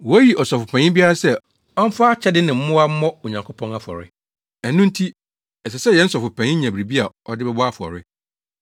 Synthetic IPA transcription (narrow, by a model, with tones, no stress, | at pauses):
wɔ˦ji˨ʔɔ˨sɔ˨fʊ˨pʰæ̃˨ɲɪ̃˦bi˦a˦ɾa˦sɛ˦˨ | ɔ˦m̩˦fa˦t͡ɕʰɛ˦dɪ˦nɪ̃˨m̩˦mʊ̃˦a˦m̩˦mɔ̃˦o˨ɲã˨ŋkʰo˦pʰɔ̃˦na˦fʊ˨ɔ̰˨ɾɪ̰˦ | æ˨nːũ˦n̩˦tʰi˦ | ɛ˨s̬ɛ˨sɛ˦˨jɛ˨˦n̩˦sɔ˨fʊ˨pʰæ̃˨ɲɪ̃˦ɲã˨bɾi˨bi˦a˨ | ɔ˦dɪ˦bɛ˦bɔ˦a˦fʊ˨ɔ̰˨ɾɪ˦